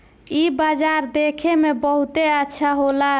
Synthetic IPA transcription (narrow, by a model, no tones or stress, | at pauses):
ibad͡ʒaɾd̪ekʰemebəɦut̪eətːʃʰaɦola